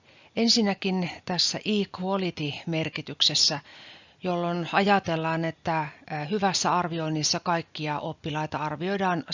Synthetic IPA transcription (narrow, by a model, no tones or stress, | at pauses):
ʔensinːækint̪æsːæ̰ʔiːkuolit̪imerkit̪yksesːæ | jolːonɑjɑt̪elːɑːnet̪ːæhyʋæsːæɑrʋioinːisːɑkɑikːiɑʔopːilɑit̪ɑɑrʋioidɑːn